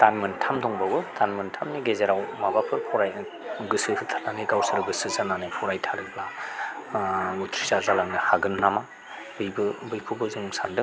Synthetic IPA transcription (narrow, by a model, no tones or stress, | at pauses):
tanmɯntʰamdɔŋbawɯtʰanmɯntʰamniɡezeɾawmabapʰɯɾpʰɔɾaj | ɡɯsɯtʰananɯɡawsɯɾɡɯsɯzananɯpʰɔɾajtʰaɾɯpla | ɡutʰɾizazalaŋnɯhaɡɯnːama | bɯjbɯbɯjkʰɯbɯzɯŋsandɯ